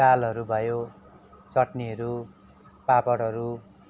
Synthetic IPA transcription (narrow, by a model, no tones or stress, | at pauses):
alɦʌɾubʱʌjo | t͡sʌʈniʌɾu | papʌɽɦʌɾu